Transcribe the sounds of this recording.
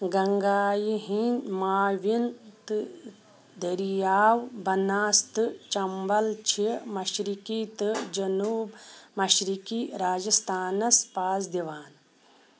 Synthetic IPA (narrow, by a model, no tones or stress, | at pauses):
ɡɐŋɡaːjiɦinmaːʋint̪ɨ | d̪ɐɾijaːwbɐnaːst̪ɨt͡ʃɐmbɐlt͡ʃʰimɐʃɾikit̪ɨd͡ʒɐnuːbmɐʃɾikiːɾaːd͡ʒɐst̪ʰaːnɐspaːsd̪iʋaːn